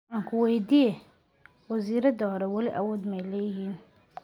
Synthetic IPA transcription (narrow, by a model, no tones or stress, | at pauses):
aːŋkʰʊwɛjd̪ijɛ | wɐziːɾɐd̪ɐhɔɾɛwɐlɪʔɐwɔːd̪mɛjlɛːjɪɦiːn